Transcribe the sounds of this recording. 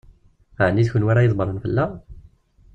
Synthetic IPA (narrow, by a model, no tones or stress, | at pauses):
ʕənːiðçənwaɾajəðˤbəɾˤənfəlːa